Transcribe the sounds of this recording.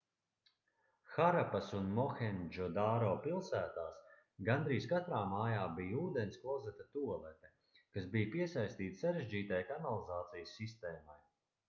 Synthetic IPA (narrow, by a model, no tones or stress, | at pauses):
xaɾapasunmɔxɛnd͡ʒɔd̪aːɾɔːpilˠsæːt̪aːs | ɡand̪ɾiːskat̪ɾaːmaːjaːbijuːd̪ɛnskˠɔzɛt̪at̪uɔlˠɛt̪ɛ | kasbijpiɛsajst̪iːt̪ssaɾeʒd͡ʒiːt̪ajkanalˠizaːt̪sijsːist̪ɛːmaj